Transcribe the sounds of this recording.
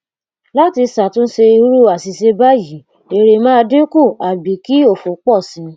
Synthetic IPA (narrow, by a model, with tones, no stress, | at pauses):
la˦ti˧sa˨tũ˦n̩˦ʃe˧i˧˦ɾu˦˨a˨si˧se˧ba˦ji˨˦ | e˨˧ɾe˧mãː˦˧dĩ˦ku˦˨a˨bi˨ki˦o˦˨fo˨˦k͡pɔ˦˨sĩ˨˧